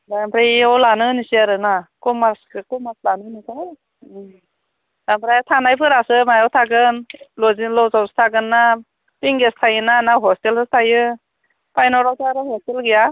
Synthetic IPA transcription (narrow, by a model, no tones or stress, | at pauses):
daampʰɾajawlanɯnisiaɾɯnakɔmaskɯkɔmaslanɯnisaj | dampʰɾajtʰanajpʰɯɾasɯmajawtʰaɡɯnlɔzilɔwzawsɯ̥tʰaɡɯnːa | piŋɡestʰajɯnanaɦɔstelsʰɯtʰajɯ | pajnɔɾawtʰaaɾɯɦhɔstelɡija